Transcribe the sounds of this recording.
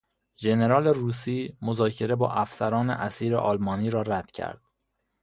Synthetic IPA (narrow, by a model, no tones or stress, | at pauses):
d͡ʒe̞ne̞ɾɒːleruːsiːmozɒːcʰe̞ɾe̞bɒ̰ːʔæfsæɾɒːnḛʔæsiːɾḛʔɒːlmɒːniːɾɒːɾæd̪̥cʰæ̰ɾd̪̥